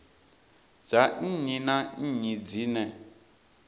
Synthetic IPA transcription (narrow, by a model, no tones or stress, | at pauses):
d͡ʒaɲinaɲid͡zinɛ